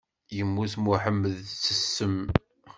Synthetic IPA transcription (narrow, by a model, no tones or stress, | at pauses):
jəmːuθmuħəmːəðt͡sːəsːəm